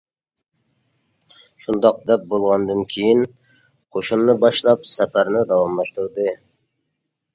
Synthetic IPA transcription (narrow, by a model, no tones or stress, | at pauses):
ʃund̪ɑq̚d̪ɛp̚bolˠʁɑnd̪ɨnkʲʰejin | qʰoʃunːɨbɑʃlˠɑpsɛpæɾnɪd̪ɑwɑmlˠɑʃt̪uɾd̪ɨ